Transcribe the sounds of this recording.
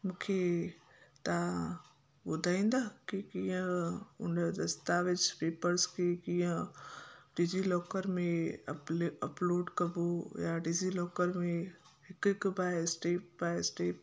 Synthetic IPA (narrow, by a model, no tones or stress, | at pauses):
mũːkʰe | t̪a | ɓʊd̪ʱaːĩːnd̪aːkikiːə̃ʊ̰nəd̪ɐst̪aʋɪt͡ɕpeːpəɾskʰekĩːə̃ | ɖizilɔːkəɾmẽ | ɐploːɖkɐbojaɖɪzilɔːkəɾmẽ | ɦɪkɦɪkbaːsʈeːpbaːsʈeːp